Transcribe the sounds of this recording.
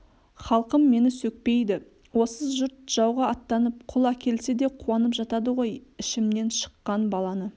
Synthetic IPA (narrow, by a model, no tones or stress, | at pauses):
χɑlˠqəmːe̞nɪsɵk̚pe̞jd̪ɪ | wo̞səʒʊɾt̪ʒ̥ɑwʁɑɑt̪ːɑnəp̚qʰʊlˠɑkʲe̞lse̞d̪e̞qʰuɑnəpʒɑt̪ɑd̪əʁo̞jɪʃɪmne̞nʃə̥qːɑnbɑlˠɑnə